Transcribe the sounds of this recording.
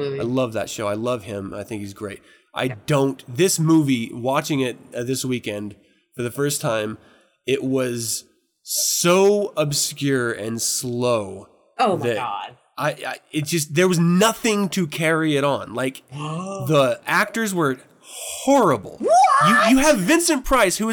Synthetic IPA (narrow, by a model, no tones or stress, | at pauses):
aɪlʌvðɨ̰tʃoʊaɪlʌv̥ɪ̃ma̰ɪθɪ̃ŋkhizɡɹeɪt̚ | ʔa̰ɪdõʊ̃nðɪsmuviwɑt͡ʃɪ̃ŋɪt̚ðɪswikɛ̃nd̥ | fə˞ðɨfɜ˞stʰãɪ̃m | ɪʔ̚wʌz̥ | soʊəbskjʊɹɨ̰̃nsloʊ | oðɨd̥ | aɪa̰ɪɨt̚d̥ʒ̥ʌs̬t̚ðə˞wʌznʌθɪ̃ŋtʰɨkʰɛɹiɪɾn̩laɪkðiæk̚tə˞zwə˞ | hhɔɹəbl̩ˠjɨjɨːvɪ̃nsɨ̃npʰɹ̥aɪshuɨ